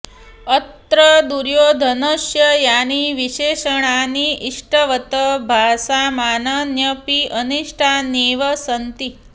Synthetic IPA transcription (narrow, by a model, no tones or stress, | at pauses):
ət̪ɾəd̪uɾjoːd̪ʱənəʃjəjaniʋiʃeʃəɽ̃aniʔiʂʈʰəʋət̪əbʱasamaːnənjəpiʔəniʂʈʰaneʋəsənt̪i